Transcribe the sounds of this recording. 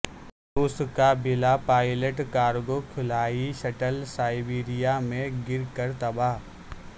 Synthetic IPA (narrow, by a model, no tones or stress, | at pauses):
ɾʊːskabɪlapaːɪləʈkaːɾɡokʰɪlaːiʃɐʈəlsaːɪbiːɾijamẽɡɪɾkəɾt̪ɐbaːɦ